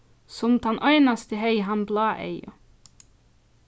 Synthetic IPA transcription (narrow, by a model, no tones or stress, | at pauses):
sɔmd̪ɑnʔœʏnast̪əhœɪɦɑmblɑːʔḛɪʊ̰